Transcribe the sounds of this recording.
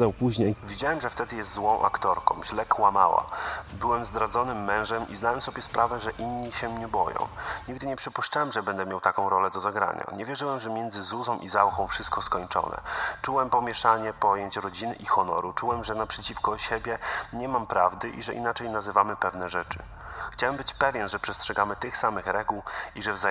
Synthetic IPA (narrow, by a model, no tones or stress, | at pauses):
d̪awpuʑɲejvʲid͡ʑawɛmʐɛft̪ɛd̪ɘjɛst̪zwɔ̃w̃ʔa̰kt̪ɔɾkɔ̃w̃ʑlɛkwama̰wa̰bɘwɛmzd̪ɾad̪zɔnɘmːɛ̃w̃ʐɛmʔiznawɛmsɔbʲjɛspɾʔavɛʐɛʔinɲːiɕɛmɲɛbɔjɔ̰̃w̃ɲiɡd̪ɘɲɛpʂɘpuʂt͡ʂawɛmʐɛbɛnd̪ɛmʲjawt̪akɔ̃w̃ɾɔlɛd̪ɔzaɡɾa̰ɲa̰ɲɛvʲjɛʐɘwɛmʐɛmʲjɛnd̪zɘzuzɔ̃w̃ʔizawxɔ̃w̃fʂɘst̪̚kɔskɔɲt͡ʂɔ̰nɛ̰t͡ʂuwɛmpɔmʲjɛʂaɲɛpɔjeɲt͡ɕɾɔd͡ʑinɘ̰ʔixɔnɔ̰ɾut͡ʂuwɛmʐɛnapʂɛt͡ɕifkɔɕɛbʲjɛɲɛmampɾavd̪ɘʔḭʐɛ̰ʔḭnat͡ʂɛjnazɘvamɘpɛvnɛʐɛt͡ʂɘ̰ | xt͡ɕawɛmbɘt͡ɕpɛvʲjɛnʐɛpʂɛstʂɛɡamɘt̪ɘxsamɘxɾɛɡuwiʐɛvza